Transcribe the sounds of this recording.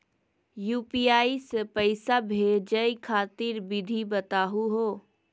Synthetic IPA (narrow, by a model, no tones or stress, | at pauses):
juːpiaːisəpəɪsabʱed͡ʒəjkʰaːt̪iɾbid̪ʱibət̪aːɦuɦo